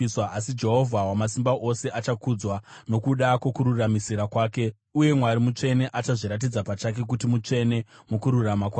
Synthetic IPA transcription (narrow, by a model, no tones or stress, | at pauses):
iswaasid͡ʒe̞ɦo̞vʱawamasimbaʔo̞se̞ʔat͡ʃakud͡zwano̞kuɗakwo̞kuɾuramisiɾakwaːke̞ | uje̞mwaɾimut͡ʂe̞ne̞ʔat͡ʃaʐiɾat̬id͡zapat͡ʃak̬e̞k̬utimut͡ʂe̞ne̞mukuɾuramakwaː